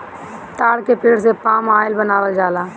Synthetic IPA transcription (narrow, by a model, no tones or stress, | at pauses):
t̪aːɽkepeːɽsepaːmaːɪlbənaːʋəld͡ʒaːlaː